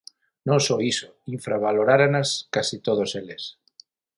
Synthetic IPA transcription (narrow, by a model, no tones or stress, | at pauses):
nõŋsoiso | iɱfɾaβ̞aloɾaɾanaskasit̪oð̞oseles